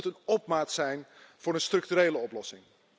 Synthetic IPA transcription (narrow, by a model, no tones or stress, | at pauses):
tənɔp̚maːtsɛjnv̥ʊːɾənstrɵk̚tyɾeːləɔplɔsɪ̰ŋ